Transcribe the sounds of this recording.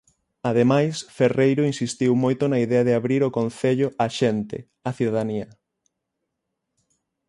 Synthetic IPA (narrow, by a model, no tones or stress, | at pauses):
aðemajsferejɾoinsist̪iwmojt̪ʊnɐiðɛaðɪaβɾiɾokõn̟θeʎoaʃent̪ɪ̰ | aθiðaðaniɐ